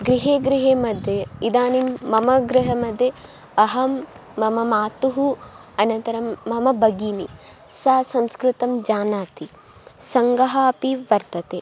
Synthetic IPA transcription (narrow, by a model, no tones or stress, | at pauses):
ɡɾiɦeːɡɾɪɦeːmɐd̪ʱjeid̪aːnimːɐmɐɡɾɪɦɐmɐd̪ʱje | ɐɦɐmːɐmɐmaːt̪uɦu | ɐnɐnt̪ɐɾɐmːɐmɐbɐɡiːnḭ | saːsɐ̃mskɾut̪ɐmd͡ʒaːnaːt̪i | sɐŋɡɐɦaːpiʋɐɾt̪ɐt̪eː